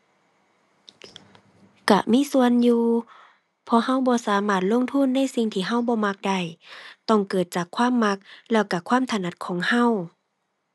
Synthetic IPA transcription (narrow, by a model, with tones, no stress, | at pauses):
ka̰˧˩miː˧˥˨su˧ənjuː˧ | pʰɔː˧˨ha˧˥˨wbɔː˧˦saː˨˦maː˧˩t̪̚lo˧˥˨ŋt̪ʰu˧˥˨nːa˧˥˨jsi˧ŋt̪ʰiː˧˩ɦa˧˩˨wbɔː˧˦ma˧˥k̚da˧˩jt̪ɔ˧˩ŋkɤː˨˩t̪̚t͡ɕaː˨˩kʰːwaː˥˨mːa˧˥k̚lɛː˧˩wka˧˩kʰwaː˧˥˨mt̪ʰa˧na˧t̪̚kʰɔː˨˦ŋha˧˥˨w